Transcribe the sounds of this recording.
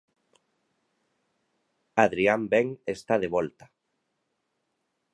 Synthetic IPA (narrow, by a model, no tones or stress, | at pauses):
aðɾiambeŋest̪aðeβɔlt̪ḁ